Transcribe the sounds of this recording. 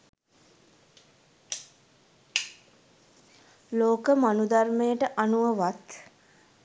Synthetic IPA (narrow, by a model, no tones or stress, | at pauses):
loːkəmanud̪armejəʈəʔanuʋəʋat̪